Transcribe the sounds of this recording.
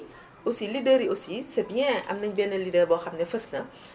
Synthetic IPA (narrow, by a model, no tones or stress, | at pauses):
osilidəɾiosisəbijɛ̃ɐ̰mnəɲbiɛnəlidəbɔxɐmnɛfəsnə